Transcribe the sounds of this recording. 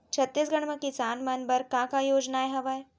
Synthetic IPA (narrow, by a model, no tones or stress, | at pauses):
t͡ʃʰɐt̪ːiːsɡɐɽ̃mẽkisaːnmɐnbɐɾkãːkajoːd͡ʒnaeɦɐʋae